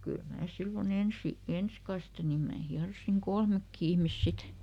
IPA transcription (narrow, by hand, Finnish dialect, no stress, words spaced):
kyl mæː silːon ensi ens kɑste nim mæː hiɑrosiŋ kolmekːi ihmis sit